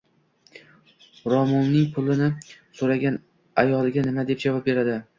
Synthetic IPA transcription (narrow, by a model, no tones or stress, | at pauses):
ɾɒmɒnːɪŋpʰʊlɪnɪsoɾaɡʲan | ajɒlˠɪɡʲanɪmad̪e̞p̚d͡ʒavɒp̚be̞ɾad̪ɪ